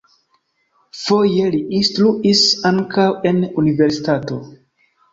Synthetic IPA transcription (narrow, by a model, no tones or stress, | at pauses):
fo̞je̞liʔinstɾuʔisaŋkawe̞nunive̞ɾsi̥tato̞